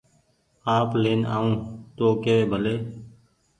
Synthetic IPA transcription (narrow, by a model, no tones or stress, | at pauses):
aːpleːna̰ːũːt̪oːkeːʋeːbʱəleː